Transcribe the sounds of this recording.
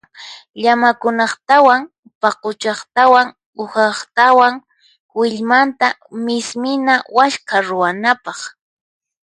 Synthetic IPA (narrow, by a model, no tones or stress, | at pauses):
ʎamakʊnɑχt̪awaŋ | pɑqʊt͡ʃɑχt̪awaŋ | ʊhɑχt̪awaŋ | wɪʎmant̪a | mɪsmɪnawaʃkaɾʊwanapɑχ